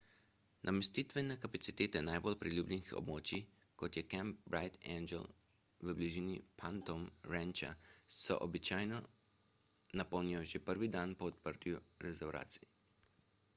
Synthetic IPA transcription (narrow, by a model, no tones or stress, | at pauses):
nʔamɛst̪it̪ʋɛnɛkapat̪sit̪eːt̪ɛnajbolpɾiljuːblʲɛnixɔ̰bmoːt͡ʃi | kɔt̪jɛkɛmpbɾajt̪ɛnd͡ʒɛ̰l | ʋəbliʒinipʰant̪ɔmɾɛnt͡ʃa̰sɔ̰ʔɔbit͡ʃaːjnɔ | napɔwniɔʒepəɾʋid̪anpɔɔt̪pəɾt̪juɾɛzɛwɾʔa̰ːt̪sii